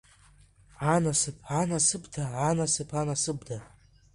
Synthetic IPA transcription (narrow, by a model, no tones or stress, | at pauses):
anasɨpʰanasɨbdaanasɨpʰanasɨbda